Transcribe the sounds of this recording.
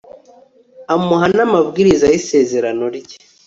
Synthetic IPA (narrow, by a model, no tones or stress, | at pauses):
amuɦanamabɡiːɾizajise̞ːzeɾano̞ɾje